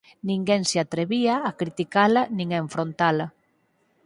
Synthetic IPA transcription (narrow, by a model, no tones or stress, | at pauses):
nĩŋɡeŋseat̪ɾeβiaːkɾit̪ikalɐnĩŋaeɱfɾont̪alɐ